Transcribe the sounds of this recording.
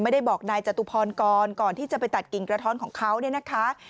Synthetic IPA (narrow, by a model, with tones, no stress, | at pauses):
ma˥˩jda˥˩jbɔː˨˩k̚naː˧jt͡ɕa˨˩t̪u˧pʰɔː˧nkɔː˧nkɔː˨˩nt̪ʰiː˥˩t͡ɕa˨˩pa˧jt̪a˨˩t̪̚ki˨˩ŋkɾa˧t̪ʰɔː˦˥nkʰɔː˩˦ŋkʰa˦˥wni˥˩ɐna˦˥kʰa˦˥ʔ